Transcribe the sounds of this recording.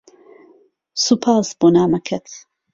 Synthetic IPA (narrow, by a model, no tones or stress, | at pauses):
supʰaːsboːnaːmɐkʰɐt̪ʰ